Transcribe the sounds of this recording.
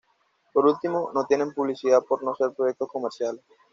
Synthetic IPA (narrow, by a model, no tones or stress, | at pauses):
poɾult̪ːimonot̪inempuliʃiapoɾnoseɾpɾook̚t̪okɔmeɾʃial